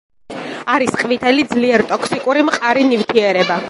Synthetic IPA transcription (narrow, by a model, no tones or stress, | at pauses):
aɾisqʼvit̪ʰɛlid̪zliɛɾt̪ʼɔkʰsikʼuɾimqʼaɾinivt̪ʰiɛɾɛba